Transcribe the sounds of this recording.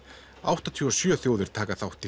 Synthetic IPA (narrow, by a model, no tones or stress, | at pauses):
awht̪at̪ʰyɔsjœθjoːwðʏɾ̥t̪ʰaːkaθawht̪ːɪ